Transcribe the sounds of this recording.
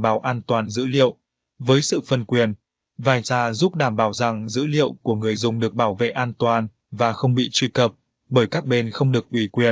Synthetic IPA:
ɓaː˧˩wʔaː˧nt̪waː˨˩nzɨ̰˧˥lḭ˧˨əw | vəː˨˦jsɨ̰˧˨fə˧nkwi˨˩ən | vaː˨˩jzaː˧zu˦˥p̚ɗaː˧˩mɓaː˧˩wza˨˩ŋzɨ̰˧˥lḭ˧˨əwku˧˩əŋɨ˨˩əjzʊ˨˩ŋ͡mɗɨ˨˩ək̚ɓaː˧˩wvḛ˧˨ʔaː˧nt̪waː˨˩n | vaː˨˩xə˧wŋ͡mɓḭ˧˨t͡ɕwi˧kə˨˩p̚ | ɓəː˧˩jkaː˦˥k̚ɓe˧nxə˧wŋ͡mɗɨ˨˩ək̚ʔwi˧˩kwi˨˩ən

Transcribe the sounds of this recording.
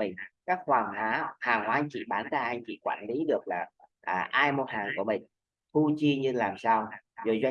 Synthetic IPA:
ï˨˩ŋ̟kaː˦˥k̚hwaː˨˩ŋhwaː˨˦haː˨˩ŋhwaː˨˦˧t͡ɕḭ˧˨ɓaː˧˩nk̪aː˧˩jʔaː˧jt͡ɕḭ˧˨kwa̰ː˧˩nli˨˦ɗɨ˨˩ək̚laː˨˩ʔəː˨˩ʔaː˧jmo˧haː˨˩ŋku˧˩əmï˨˩ŋ̟ | t̪u˧t͡ɕi˧ɲɨ˧laː˨˩msaː˧wzo˨˩jzwa˧

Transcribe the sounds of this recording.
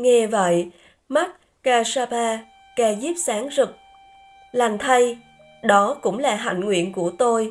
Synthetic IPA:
ŋɛ˧və̰˧˨j | ma˦˥t̚ | kaː˧saː˧ɓaː˧ | kaː˧zi˦˥p̚saː˨˦ŋzɨ˨˩k̚ | la˨˩ŋ̟t̪ʰa˧j | ɗɔ˨˦kʊ̰˧˥ŋ͡mlaː˨˩ɦa̰˧˨ŋŋwḭ˧˨ənku˧˩ət̪o˧j

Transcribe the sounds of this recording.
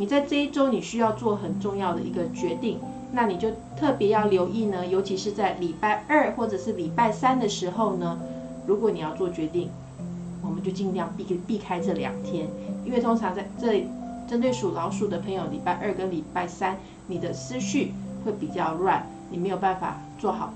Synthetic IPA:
ni˨˩t͡sa˥˧ɪʈ͡ʂɤ˥˧i˥˩ʈ͡ʂo˥ʊni˨˩ɕy˥jɑ˥˧ʊt͡swɔ˥˩xə˨˩nʈ͡ʂʊ˥˧ŋjɑ˥˩ʊd̪ə˩ʔi˧˥ɡə˧t͡ɕɥɛ˧˥t̪i˥˩ŋ | na˥˩ni˨˩t͡ɕjo˥˧ʊt̪ʰɤ˥˩pjɛ˧˥jɑ˥˩ʊljo˧˥ʊʔi˥˩nə˩jo˧˥ʊt͡ɕʰi˧˥ʂɻ̩˥˧t͡sa˥˩ɪli˨˩pa˥˧ɪə˞˥˩xwɔ˥˩ʈ͡ʂɤ˨˩ʂɻ̩˥˩li˨˩pa˥˩ɪsa˥nd̪ə˨ʂɻ̩˧˥xo˥˧ʊnə˩ | ɻu˧˥kwɔ˧˥ni˨˩jɑ˥˧ʊt͡swɔ˥˩t͡ɕɥɛ˧˥t̪i˥˩ŋ | wɔ˨˩mə˨˦nt͡ɕjo˥˧ʊt͡ɕi˥˧ŋjɑ˥˧ŋpi˥pi˥˩kʰa˥ɪʈ͡ʂɤ˥˩ljɑ̰˨˩ŋt̪ʰjɛ˥ni˥nwe˥˩ɪt̪ʰo˥ŋʈ͡ʂʰɑ˧˥ŋt͡sa˥˧ɪʈ͡ʂɤ˥˩li˨˩ʈ͡ʂə˥nt̪̬we˥˩ɪʂu˨˩lɑ˧˥ʊʂu˨˩d̪ə˩pʰə˧˥ŋjo˧˩ʊli˨˩pa˥˧ɪʔə˞˥˩kə˥˦nli˨˩pa˥˩ɪsa˦˥n | ni˨˩d̪ə˦sɹ̩˥ɕy˥˩xwe˥˩ɪpi˨˩t͡ɕjɑ˥˧ʊlwa˥˧n | ni˨˩me˧˥jo˨˩pa˥˩nfa̰˨˩ | t͡swɔ˥˩xɑ̰˨˩˦

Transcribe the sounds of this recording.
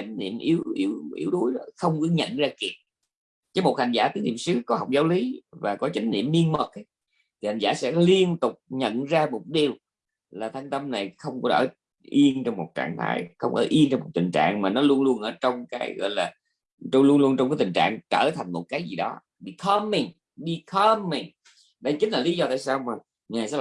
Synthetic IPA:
t͡ɕa˨˦ŋ̟nḭ˧˨əmʔi˨˦wʔi˨˦wʔḭ˨˦əwɗu˨˦jɗɔ˨˦xə˧wŋ͡mkɔ˨˦ɲə̰˧˨nzaː˧ki˨˩ət̚ | t͡ɕə˨˦mo˨˩t̚ha˨˩ŋ̟zaː˧˩t̪i˨˦əŋnḭ˧˨˩msɨ˨˦˥kɔ˨˦ɦa˨˩wk͡p̚zaː˨˦wli˨˦vaː˨˩kɔ˨˦t͡ɕa˨˦ŋ̟nḭ˧˨əmni˧ənmə˨˩k̚j | t̪ʰi˨˩ha˨˩ŋ̟za̰ː˧˥sɛ̰˧˥li˧ənt̪ʊ˨˩k͡p̚ɲə̰˧˨nzaː˧mo˨˩t̚ɗi˨˩əw | laː˨˩t̪ʰa˧jŋ̟t̪ə˧mna˨˩jxə˧wŋ͡mkɔ˨˦ʔəː˧˩ | ʔi˧ənt͡ɕɔ˧wŋ͡mmo˨˩t̚t͡ɕa̰ː˧˨ŋt̪ʰa̰ː˨˦jxə˧wŋ͡mʔə̰ː˧˩ʔi˧ənt͡ɕɔ˧ŋ͡mmo˨˩t̚t̪ï˨˩ŋ̟t͡ɕa̰ː˧˨ŋmaː˨˩nɔ˨˦lu˧ənlu˧ənʔəː˧˩t͡ɕɔ˧wŋ͡mkaː˨˦jɣɔ̰˧˨jlaː˨˩ | t͡ɕɔ˧ŋ͡mlu˧ənlu˧ənt͡ɕɔ˧ŋ͡mkaː˨˦t̪i˨˩ŋ̟t͡ɕa̰ː˧˨ŋt͡ɕəː˧˩t̪ʰa˨˩jŋ̟mo˨˩t̚kaː˨˦jzi˨˩ɗɔ˨˦ | ɗi˧˩kʰə˧mːi˨˩ŋ | ɗi˧kʰːmːi˨˩ŋ | ɗa˧t͡ɕï˨˦ŋ̟laː˨˩li˨˦zɔ˧t̪aː˧˨jsaː˧wmaː˨˩ | ŋaː˨˩jsɛ̰˧˥

